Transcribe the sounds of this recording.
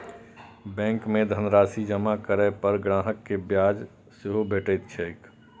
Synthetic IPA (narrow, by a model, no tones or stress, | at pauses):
bɛ̃ːŋkmẽd̪ʱənɾaːsid͡ʒəmakəɾəpəɾɡɾãːɦəkːebjaːd͡ʒ | sɪɦobʱeːʈət̪t͡ʃʰɛɪk